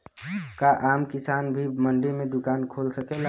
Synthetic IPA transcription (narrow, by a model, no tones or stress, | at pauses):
kaʔaːmkɪsaːnbʱiməɳɖimẽd̪ʊkaːnkʰoːlsəkela